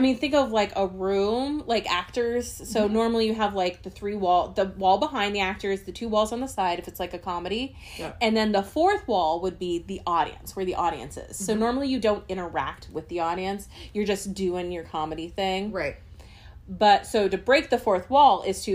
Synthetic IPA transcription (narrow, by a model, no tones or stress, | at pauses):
aɪmĩnθɪ̃ŋkʌvlaɪkəɹʉ̃mlaɪkæk̚tə˞z̥soʊnɔɹml̩ˠijɨəvlaɪk̚ðɨθɹiwɔlˠðəwɔlˠbəɦãɪ̃nðiæk̚tə˞zðɨtʰʉwɔlˠzn̩ðəsaɪɾɨfɨtslaɪkɨkʰɑmɨɾi | ɨ̃nðɨ̃nðəfɔɹθwɔlˠwəd̚biðiʔɔɾḭɨ̰̃nswə˞ðiʔɔɾḭɨ̰̃nsɪ̰z̥soʊnɔɹml̩ˠijɨdõʊ̃ntɪ̃ɾ̃ə˞æ̰k̚t̚wɨðiɔɾiɨ̃nsjə˞d͡ʒʌsd̥ʉɪ̃ŋjə˞kʰɑmɨɾiθɪ̃ŋɹaɪt̚ | b̥ʌtsoʊɾɨbɹeɪk̚ðɨfɔɹθwɔlˠɪz̥tʰɨ